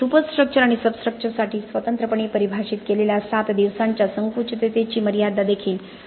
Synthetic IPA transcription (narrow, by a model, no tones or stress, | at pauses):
supəsʈɾək̚t͡ɕəɾaɽ̃isəbskɾək̚t͡ɕəɾsaʈiːsʋət̪ənt̪ɾəpəɳ̃iːpəɾibʱaɕiːt̪keleljasat̪d̪iʋsaɲt͡ɕjasəŋkut͡ɕət̪et̪et͡ɕiːməɾijad̪ad̪ekʰiːl